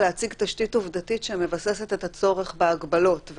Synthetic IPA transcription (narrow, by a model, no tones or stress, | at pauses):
leat͡siɡtaʃtituvdatitʃemevasese̞tet̪hat͡so̞ʁeχbeaɡbalo̞tve